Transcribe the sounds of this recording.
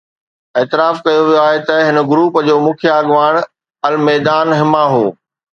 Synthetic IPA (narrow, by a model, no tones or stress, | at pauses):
ɛːt̪ɪɾaːfkɐjoʋijoaːɦet̪ɐɦɪnəɡɾuːpd͡ʑoːmʊ̃ːkʰjaɡʋaːɽ̃ | ɐlmɛːd̪aːnɦɪmaɦoː